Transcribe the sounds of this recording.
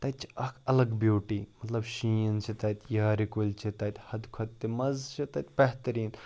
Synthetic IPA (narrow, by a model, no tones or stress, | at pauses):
t̪ɐt̪̚t͡ʃʰi̥ɐkʰɐlɐɡbjoːʈiːmɐt̪lɐbʃĩːnt͡ʃʰit̪ɐt̪ʲjaːɾikulʲt͡ʃʰit̪ɐt̪ʲhɐd̪kʰɐt̪ːimɐzt͡ʃʰit̪ɐt̪̚ʲbeɦt̪ɐɾiːn